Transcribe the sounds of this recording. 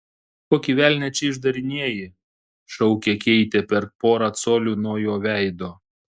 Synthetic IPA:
koːkʲiʋʲæˑlʲnʲɛt͡ʃʲɛɪʒd̪ɐɾʲɪnʲiɛjɪ | ʃɐʊkʲɛkʲɛɪt̪ʲepʲɛɾpoːɾɐt̪soːlʲuːnuɔjoːʋʲæˑɪd̪oː

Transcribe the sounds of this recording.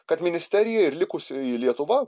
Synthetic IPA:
kɐt̪mʲɪnʲɪsʲt̪ʲɛɾʲɪjɛɪɾlʲɪkʊsʲɪilʲiɛt̪ʊʋɐ

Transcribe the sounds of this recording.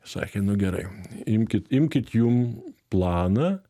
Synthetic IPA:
sɑ̰ːkʲenʊɡʲɛɾɐ̰ɪɪmʲkʲɪt̪ɪmʲkʲɪt̪jumplˠɑːnɐː

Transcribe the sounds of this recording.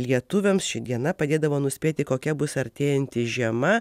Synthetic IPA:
lʲiɛt̪ʊʋʲɛmsʃʲɪd̪ʲiɛnɐpɐd̪ʲeːd̪ɐʋoːnʊsʲpʲeːt̪ʲɪkoːkʲɛbʊsɐɾʲt̪ʲeːjɛnʲt̪ʲɪʒʲiɛmɐ

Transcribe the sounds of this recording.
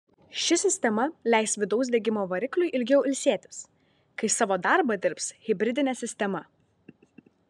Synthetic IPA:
ʃʲɪsʲɪsʲt̪ʲɛmɐlʲæˑɪsʋʲɪd̪ɐʊs̬d̪ʲɛɡʲɪmoːʋɐɾʲɪklʲʊɪʔɪlʲɡʲɛʊʔɪlʲsʲiɛt̪ʲɪ̥s | kɐɪsɑːʋoːd̪ɑˑɾbɐd̪ʲɪɾpsɣʲɪbʲɾʲɪd̪ʲɪnʲɛsʲɪsʲt̪ʲɛmɐ

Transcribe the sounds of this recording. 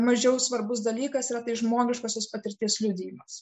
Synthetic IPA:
mɐʒʲɛʊsʋɐɾbʊsd̪ɐlʲiːkɐsiɾɐt̪ɐɪʒmoːɡʲɪʃkoːsʲoːspɐt̪ʲɪɾʲt̪ʲiɛslʲʊd̪ʲɪjɪmɐs

